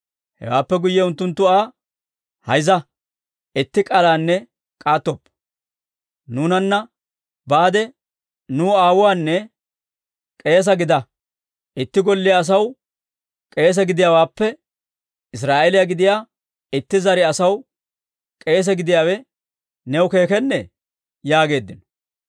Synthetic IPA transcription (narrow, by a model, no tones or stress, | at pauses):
hɛ̰wa̰ːpːɛɡʊjːɛʊnt̪ːʊnt̪ːʊaː | hɐjzɐ | ɪt̪ːɪkʼalaːnːɛ | kʼaːt̪ːɔpː | nuːnɐnːɐ | baːd̪ɛ | nuːaːwʊwaːnːɛ | kʼe̞ːs̬ɐɡɪd̪ɐ | ɪt̪ːɪɡɔlːɪjɐːs̬ɐw | kʼe̞ːs̬ɛɡɪd̪ɪjaːwaːpːɛ | ɪs̬ɾaːʔelɪjaɡɪd̪ɪjaː | ɪt̪ːɪzɐɾɪɐsɐw | kʼe̞ːs̬ɛɡɪd̪ɪjaːwɛ | nɛʊke̞ːkɛnːɛ | jaːɡe̞ːd̪ːɪnɔ̥